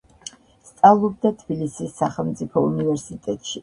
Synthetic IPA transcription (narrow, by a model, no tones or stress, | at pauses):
st̪sʼalˠɔbd̪at̪ʰb̥ilisisːaχɛlˠmt̪sʼipʰɔṵnivɛɾsit̪ʼɛt̪ʼʃi